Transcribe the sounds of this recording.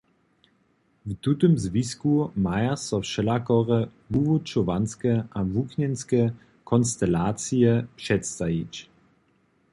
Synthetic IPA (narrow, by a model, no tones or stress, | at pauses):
vt̪ut̪əmzviskumajasɔfʃɛlakɔʁɛ | vuvut͡ʃɔvanskɛʔavuknɛnskɛ | kʰɔnst̪ɛlaːt͡sijɛpʂɛt̪st̪ait͡ʃ